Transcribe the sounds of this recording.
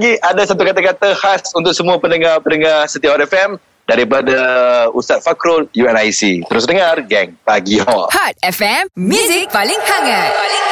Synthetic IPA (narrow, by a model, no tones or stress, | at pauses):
ɡiadasat̪ukat̪akat̪ahasunt̪ʊk̚səmũapənəŋahpənəŋahsət̪iahat̪ɛfɛm | daɾip̬adaust̪at̪̚fakɾoljuɛnajsḭt̪əɾʊs̬dəŋarɡɛŋpaɡiɔ̰hat̪̚ɛfɛmmjuzik̚paliŋhaɡat